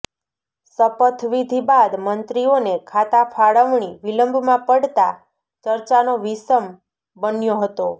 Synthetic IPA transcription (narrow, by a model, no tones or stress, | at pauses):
səpət̪ʰʋid̪ʱibad̪mənt̪ɾionekʰat̪afʰaɭəʋɳiʋiləmbʱmãpəɽt̪a̰ | t͡ʃəɾt͡ʃanoʋisəm | bənjoɦət̪o